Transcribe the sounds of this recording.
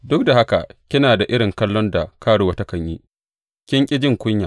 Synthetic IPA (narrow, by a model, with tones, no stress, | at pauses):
dʊ˦k̚da˨ha˦ka̰˨kʲɪ˦naː˨da˨ʔɪ˦ɽɪ˨ŋkɐ˦lːɔ˦nda˨kaː˦ɽu˨wɐ˦tɐ˦kɐ˨ɲjiː˦ | kʲɪ˦ŋkʲʼɪ˦d͡ʒɪ˦ŋkʷʊ˦ɲjaː˨